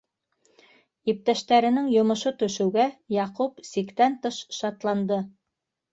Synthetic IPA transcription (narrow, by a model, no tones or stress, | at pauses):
ip̚t̪æʃt̪æɾɘ̆nɘŋjŏmɤ̆ʃot̪ɵ̆ʃɘ̆wɡæjɑqupsikt̪ænt̪ɤʃʃɑt̪lˠɑnd̪ɤ